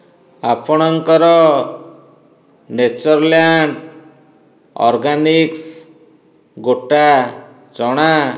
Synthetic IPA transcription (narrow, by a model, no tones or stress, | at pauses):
apʰɔɽ̃ɔŋkɔɾɔ | net͡ʃɔɾljaɳɖ | ɔ̰ɾɡaniks | ɡoʈa | t͡ʃɔɽ̃a